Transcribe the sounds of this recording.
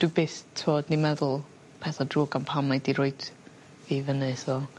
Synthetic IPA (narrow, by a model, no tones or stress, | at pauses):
d̥wibeːstʰoːdnimɛðʊlˠ | pʰɛθadruːɡanpʰamadiɾoːɨd̥ | vivənəsvɔ